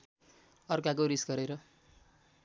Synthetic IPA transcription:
ʌrkakoɾisɡʌɾeɾʌ

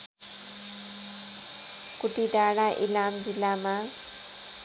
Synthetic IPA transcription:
kuʈidaɽ̃aʔḭlamd͡zilːama

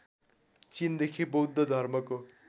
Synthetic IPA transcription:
t͡sind̪ekʰibʌwd̪ːod̪ʱʌrmʌko

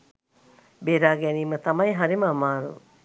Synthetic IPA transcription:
beːɾaːɡɛniːmət̪ɐmɐjɦɐɾiməːmaːɾṵ

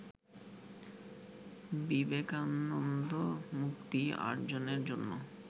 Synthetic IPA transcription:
bibekanond̪omukt̪ia̰ɾd͡ʑoneɾd͡ʑonːo

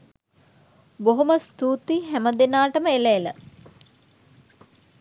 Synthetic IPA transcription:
boɦoməst̪uːt̪iɦæməd̪enaːʈəməeleelə̰

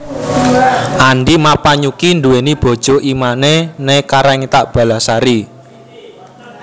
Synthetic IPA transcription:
ʔaɳɖimapaɲukinduwenib̥ɔ̤d̥ʒ̥ɔ̤ʔimanenekaɾɛŋt̪aʔb̥a̤lasaɾi

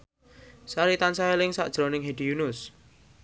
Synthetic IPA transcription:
saɾit̪ansaelɪŋsa̰ʔd̥ʒ̥ɾonɪŋɦed̥ijunʊs

